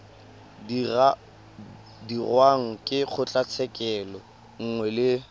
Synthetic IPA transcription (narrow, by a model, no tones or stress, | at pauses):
dirwaŋ̩kʼɪχʰʊt͡ɬʼat͡sʰɛkʼɛlɔ | ŋ̩ŋwɛlɪ